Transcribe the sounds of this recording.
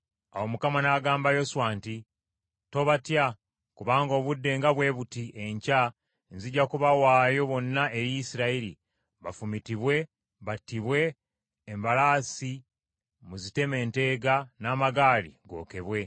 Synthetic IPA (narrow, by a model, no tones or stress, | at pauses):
a̰wo̞mukamanaːɡaːmbajo̞suwaːnti | to̞βatja | kuβaːŋɡo̞ːβudːe̞ːŋɡaβwe̞ːβutiʔe̞ɲca | nziɟːakuβawaːjo̞βo̞nːaʔe̞ɾiisiɾaiɾḭ | βafumitiβwe̞ | βatiβwe̞ː | mbalaːsi | muzite̞me̞ːnte̞ːɡanaːmaɡaːlḭɡo̞̰ːke̞βwe̞